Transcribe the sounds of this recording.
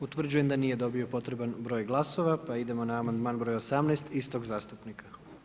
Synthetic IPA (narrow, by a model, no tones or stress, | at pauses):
ut̪ʋr̩d͡ʑuje̞md̪aniːje̞d̪o̞bio̞po̞t̪ɾe̞banbɾo̞jɡlˠaso̞ʋapaid̪e̞mo̞naːmand̪maːnbɾojaosamnɛːst̪ist̪o̞ɡzaːst̪upnikʰa